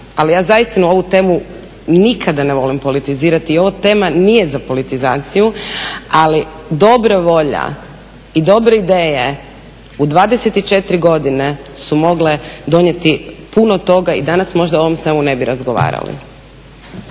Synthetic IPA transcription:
alijaːzajist̪inuo̞ʋut̪e̞ːmu | nikʰad̪ane̞ʋo̞limpo̞lit̪iziːɾat̪iːo̞ʋot̪e̞ːmanije̞zapo̞lit̪izaːt̪sijuali | d̪o̞bɾaʋo̞ʎa̰ | id̪o̞bɾeid̪eːje | ud̪ʋaːd̪eset̪it͡ʃe̞t̪ɾiɡo̞d̪ine̞sumo̞ɡle̞d̪o̞nje̞t̪ipunot̪o̞ɡaḭd̪anasmo̞ʒd̪ao̞ʋo̞msemune̞biɾazɡo̞ʋa̰ːɾa̰lḭ

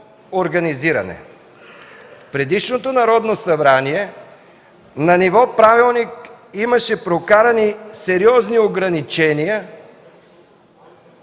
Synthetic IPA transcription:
oɾɡɐniziɾɐ̰nɛ̰ | fpɾɛd̪iʃnot̪onɐɾɔd̪nosɐbɾaniɛ | nɐnivɔpɾavilˠnik | imɐʃɛpɾokaɾɐnisɛɾiɔznioɡɾɐnit͡ʃɛnijə

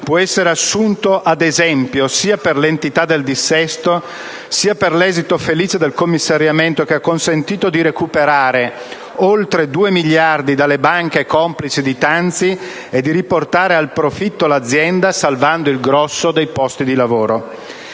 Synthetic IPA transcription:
pwɔɛsːeɾeasːunt̪oʔad̪ezɛmpjosiːaperlent̪it̪ad̪ːeld̪isːɛst̪o | siːaperlɛːzit̪ofeliːt͡ʃed̪elkomːisːaɾjament̪okeakːonsent̪iːt̪od̪iɾekupeɾaːɾe | olt̪ɾed̪uːemiʎːard̪id̪alːebaŋk̟ekɔmplit͡ʃid̪it̪ant̪si | ed̪ːiɾiport̪aːɾealpɾofit̪ːolad̪zːjɛnd̪asalvand̪oilɡɾɔsːod̪ejpɔst̪id̪ilavoːɾo

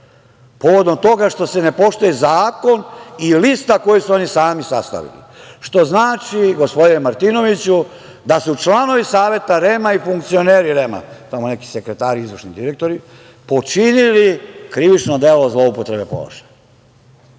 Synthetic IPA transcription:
po̞ʋo̞d̪o̞mt̪o̞ɡaʃt̪o̞se̞ne̞po̞ʃt̪ojezaːko̞nilist̪ako̞jesuo̞nisaːmisa̰st̪a̰ʋḭlḭʃt̪o̞znaːt͡ʃiɡo̞spod̪inemaɾt̪ino̞ʋit͡ɕu | d̪asut͡ʃlˠano̞ʋisaːʋje̞t̪aɾemaifuŋk̚t̪sio̞neːɾiɾema̰t̪amone̞ki̥sekɾe̞t̪aːɾiizʋərʃnid̪iɾek̚t̪o̞ɾi | po̞t͡ʃinilikɾiʋit͡ʃnod̪e̞lo̞zlo̞upot̪ɾe̞be̞po̰la̰ʃḁɲ

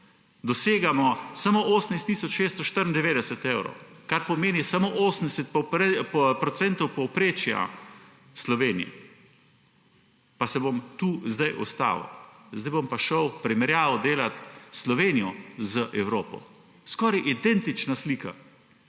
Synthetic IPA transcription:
d̪ɔseːɡamɔsamoʔoːsnajst̪ːiːsɔt͡ʃʃeːst̪ɔʃt̪əɾind̪ɛʋeːd̪ɛsɛt̪ewɾɔ̰wkaɾpɔmeːnisamoːʔoːsən̩d̪ɛsɛt̪̚p | pɾɔt̪sɛnt̪ɔwpɔwpɾeːt͡ʃja̰ | slɔʋeːnḭ | pasɛbomt̪uːzd̪ajʔɔ̰st̪a̰ːʋə̰wzd̪ajbompaʃəwpɾimɛɾjaːʋəwd̪eːlat̪slɔʋeːnijɔzəʔɛwɾoːpɔ̰ | skɔːɾajʔid̪ɛnt̪it͡ʃnasliːka̰

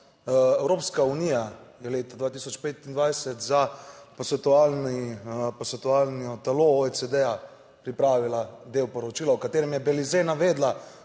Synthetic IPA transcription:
ɛwɾoːpskaunijajɛleːt̪ad̪ʋaːt̪isɔt͡ʃpeːt̪ind̪ʋajsɛt̪zapɔsɛt̪ualnipɔsɛt̪uaːlnɔt̪alooet͡s̪ɛd̪ɛja | pɾipɾaːʋilad̪ewpɔɾɔt͡ʃiːlawkat̪eːɾɛmjɛbɛlizenaʋeːd̪la

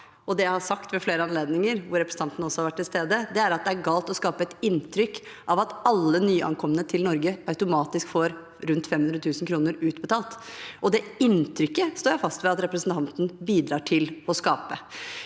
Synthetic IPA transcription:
ɔd̪ɛjæɪhɑsɑkt̪ʋɛfleːɾəɑnleːd̪nɪŋəɾʋʊɾɛpɾəsn̩ɑnt̪nəɔsɔhɑɾʋæʈːɪlst̪eːd̪əd̪ɛæɾɑt̪̚d̪ɛæɾɡɑːlt̪ɔskɑːpəɛt̪ɪnt̪ʰɾʏkː | ʔɑʋɑt̪ɑlːənyːʔɑ̰ŋkʰɔmːənət̪ʰɪlnɔɾɡəɑʉt̪ʊmɑːt̪ɪskfoːɾ | ɾʉnt̪fɛmhʉnɾət̪ʉːsn̩kʰɾuːnəɾʉːt̪bət̪ʰɑːlt̪ɔd̪ɛɪnt̪ʰɾʏkːəst̪oːjæɪfɑst̪ʋɛɑt̪ɾɛpɾəsn̩t̪ʰɑnt̪n̩biːd̪ɾɑːʈʰɪlɔskɑːpə

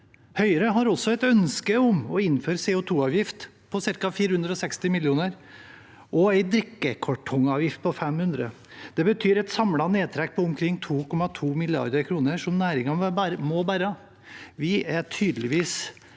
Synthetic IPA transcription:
hœʏəɾəɦɑɾɔsɔɛɪt̪œnskəʊmɔɪnːføːɾseːʊt̪ʰuːɑːʋjɪft̪ | pʰɔsɪɾkɑfiːɾəhʉnd̪ɾəɔsɛkst̪ɪmɪljuːnəɾ | ʔɔæɪd̪ɾɪkːəkʰɔʈʰɔŋɑːʋjɪft̪̚pʰɔfɛmhʉnd̪ɾə | d̪̥ɛbət̪ʰyːɾɛɪt̪sɑmlɑneːt̪ʰɾɛk̚ːpʰɔʊmkʰɾɪŋːt̪ʰuːkʰɔmːɑt̪ʰuːmɪlɪɑ̰ɾd̪əɾkʰɾuːnəʂɔmnæːɾɪŋɑæmoɔbæɾɑ | ʋɪæʈʰyːd̪lɪʋiːs

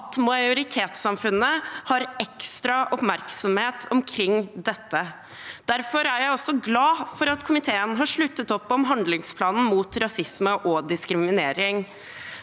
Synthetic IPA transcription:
t̪mɑɪʊɾɪt̪ʰeːt̪sɑmfʉnːəhɑɾɛkst̪ɾɑʔɔpmæɾksɔmheːt̪ʰɔmkʰɾɪŋːd̪ɛt̪ːə | d̪̥æɾfɔɾæɾjæɪɔsɔɡlɑːfɔɾɑt̪kʰʊmɪt̪ʰeːənɦɑʂɭʉt̪ːət̪ɔpːɔmɦɑnd̪lɪŋspʰlɑːnn̩muːt̪ɾɑsɪsməʔɔd̪ɪskɾɪmɪneːɾɪŋ

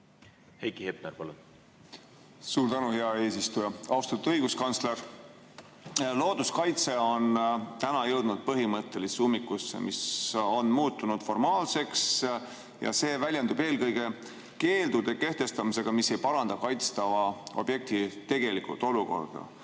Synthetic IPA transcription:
hejkihep̚nerpɑlun | suːɾt̪ænuhe̞ɑe̞ːsist̪ujɑɑwst̪ɑt̪ːɤjɡ̥uskɑnsleɾ | lo̞ːd̪̥uskɑjt̪se̞o̞nt̪ænɑjɤwd̪̥nud̪̥̚pɤɦimɤt̪ːe̞lisumːikːusḛmiso̞nmuːt̪ːunud̪̥fo̞rmɑːlse̞ks | jɑ̰se̞ːvælʲjɑnd̪ub̥e̞ːlkɤjɡ̥e̞ | ke̞ːld̪ud̪̥e̞ke̞ht̪e̞st̪ɑmise̞ɡ̥ɑmisːe̞jpɑɾɑnd̪ɑkɑjt̪st̪ɑvɑo̞̰b̥je̞k̚t̪it̪e̞ɡ̥e̞likṵlt̪ːˑo̞luko̞̰rd̪̥ɑ̰

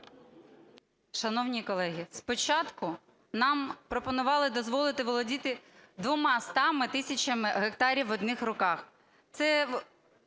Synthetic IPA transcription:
ʃɐnɔwnʲikɔlˠɛɦʲispɔt͡ʃɑt̪kʊ | nɑmpɾɔpɔnʊʋɑlˠɪd̪ɔzʋɔlˠɪt̪ɪʋɔlˠɔdʲit̪ɪd̪ʋɔmɑst̪ɑmɪt̪ɪsʲɐt͡ʃɐmɪɦekt̪ɑɾʲiwɔd̪nɪxrɔkɑx | t̪sɛ

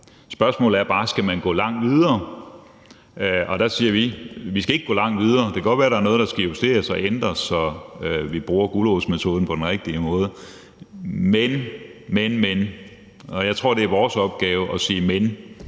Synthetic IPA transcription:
sb̥ɶɐsmɔ̰ːlð̩ˠæɐb̥ɑ̈ːsɡ̥æmænɡ̥ɔ̰ːlɑ̈ŋ̰d̥ʋið̞ˠɐː | ʔɒ̽d̥æsiːɐʋiʋisɡ̥æe̝ɡ̥̚ɡɔ̰̽ːlɑ̈ŋ̰d̥ʋið̞ˠɐːd̥e̝kʰæ̥ɒ̽d̥ʋæːɐɾ̥ɑ̈æɐnɔ̽ːðˠd̥ɑ̈sɡ̥æihusd̥e̝̰ːɐsɒ̽end̥ʁɐsɒ̽ʋib̥ʁuːɐɡ̥ulosmet͡sʰo̝ːð̞ˠn̩pʰɒ̽d̥enʁeɡ̥̚d̥imɔ̽ːð̞ˠə | menmenmen | ɒjɑɪt͡sʰʁo̝ɐ̰de̝æɐʋɒːsɒ̽b̥̚ɡ̥ɛːʊəʔɒ̽siːmen

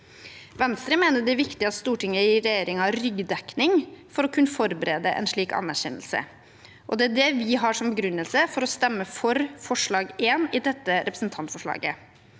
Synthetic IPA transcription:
ʋɛnst̪ɾəmeːnəɖ̪ɛæɾʋɪkt̪ɪɑt̪st̪uːʈʰɪŋːəiɾɛjeːɾɪŋɑɾʏɡd̪ɛknɪŋfɔɾɔkʰʉnːəfɔɾbəɾeːd̪əʔɛ̰nʂɭiːkɑ̰nːæɾçɛ̰nːəlsə̰ | ʔɔ̰d̪ɛæɖɛʋɪɦɑːʂɔmbəɡɾʉnːəlsəfɔɾɔst̪ɛmːəfɔɾfɔʂɭɑːɡeːnɪd̪ɛt̪ːəɾʔɛpɾəsn̩t̪ʰɑnt̪fɔʂɭɑ̰ːɡə̰

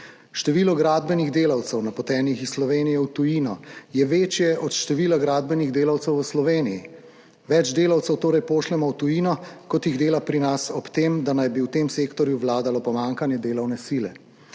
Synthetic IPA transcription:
ʃt̪ɛʋiːlɔɡɾaːd̪bɛniɣd̪eːlawt̪sɛwnapɔt̪ɛːnixisslɔʋeːnijɛwt̪ujinɔjɛʋeːt͡ʃjɛʔɔt̪ʃt̪ɛʋilaɡɾaːd̪̚bɛniɣd̪eːlawt̪sɛwʋəslɔʋeːniji | ʋɛd͡ʒd̪eːlawt̪sɛwt̪oːɾɛjpoːʃlɛmɔwt̪ujiːnɔkɔt̪jiɣd̪eːlapɾinasɔpt̪eːmd̪anajbiwt̪eːmseːkt̪ɔɾjuʋlaːd̪alɔpɔmaːŋkanjɛd̪eːlawnɛsilɛ

